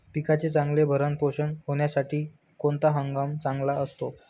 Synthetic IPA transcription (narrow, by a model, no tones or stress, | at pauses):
pikat͡set͡sãŋɡlebʱəɾənpoɕənɦoɳ̃jasaʈiː | kont̪aɦəŋɡamt͡sãŋɡlaəst̪o